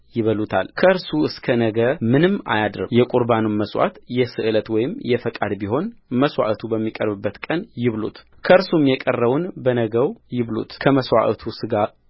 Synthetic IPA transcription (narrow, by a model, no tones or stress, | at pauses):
jɪβəlut̪ʰa̰lkʰəɨɾsuɨskʰənəɡəɾmɨnɨmːa̰jad̪ɾɨjɛkʼuɾbanunməswʷa̰t̪jɛsɨʔɨlət̪wɔjɪmjɛfəkʼad̪biɦo̞nməswa̰ʔət̪ʰubəmːikʼə̰ɾbɨbːət̪kʼənjɪβlṵt̪kʰəɨɾsumjɛkʼərːəβunbənəɡəwjɪβlṵt̪kʰəməswa̰ʔət̪ʰusɨɡa